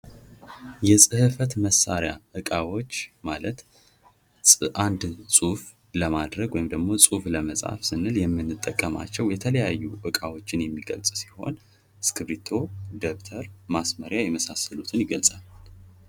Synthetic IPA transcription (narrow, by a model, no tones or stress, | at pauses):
jɛsʼɨhɨfət̪məsːaɾjaʔɨkʼawo̞t͡ʃːmalət̪ʼ | ʔand̪sʼuf | ləmad̪ɾəɡwɔjimd̪əɡmo̞sʼufləməsʼa̰fsɨnːɨljɛmːɨnːɨt̪ʼːəkʼːəma̰t͡ʃːɛwjɛt̪ʰələjajːuʔɨkʼawot͡ʃːɪnjɛmːiɡə̰lsʼsi̥ho̞̰n | skʰɨbɾit̪ʰo̞d̪eβt̪ʰəɾmasməɾjajɛməsasəlut̪ʰɨnjɪɡəlsʼal